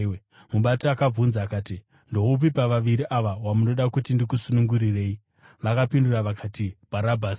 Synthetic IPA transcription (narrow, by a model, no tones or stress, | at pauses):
muɓatiakab͡vunzaːkaːti | ndo̞upipaʋaʋiɾiʔaʋawamuno̞ɗakutindik̬usunuŋɡuɾire̞ːi | ʋakapinduraʋakʰaːtib̥ʱaɾabʱaːsi̥